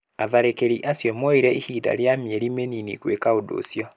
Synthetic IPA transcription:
aðaɾekeɾiʔasjɔmɔiɾɛihiːda̰ɾjamjɛɾimeninḭkwekaodo̰sjɔ

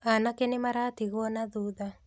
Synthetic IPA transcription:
anakenɪmaɾat̪iɣwɔnad̪ud̪a

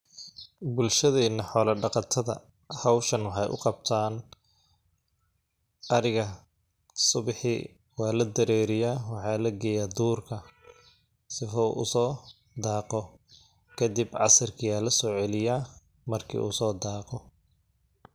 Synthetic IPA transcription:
bʊlʃɐðɛːnɐħɔːlɐɖɑqɑt̪ʰɐðɐ̰ | hɐwʃɐnwɑħɑjʔʊ̰qɑb̚t̪ʰaːn | ʔɐɾɪɣɐ | sʊβɪħḭ | wɑːlɐd̪ɐɾɛːɾɪjaːwɑħɑːlɐɡɛjaːd̪uːrkʰɐ | sɪfɔ̰ʔʊ̰sɔː | d̪aːqɔ | kʰɐd̪ɪbʕɑ̰sɐrkʰɪjaːlɐsɔːʕɛlɪjaː | mɐrkʰḭːʔṵːsɔːd̪aːqɔ

